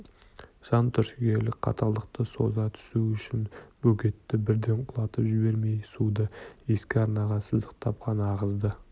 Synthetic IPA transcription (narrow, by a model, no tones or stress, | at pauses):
ʒ̥ɑnt̪ʰʏɾʃɪɡʲe̞lɪkʲqʰɑ̰t̪ʰɑlˠəq̚t̪əso̞zɑt̪ʰʏ̥suʏʃɪnb̥ɵɡʲe̞t̪ːɪbɪɾd̪e̞ɴqʰʊlˠɑt̪əpʒɪbe̞ɾme̞jsud̪əe̞skʲɪɑɾnɑʁɑsəzd̪əqt̪ʰɑp̚qɑnəɑʁəzd̪ə